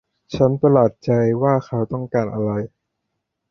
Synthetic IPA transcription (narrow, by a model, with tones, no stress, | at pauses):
t͡ɕʰa˦˥nt̪a˧laː˨˩t̪̚t͡ɕa˧jwaː˥˩xʰa˦˥wt̪ɔ˥˩ŋkaː˧nʔa˧ɾa˧j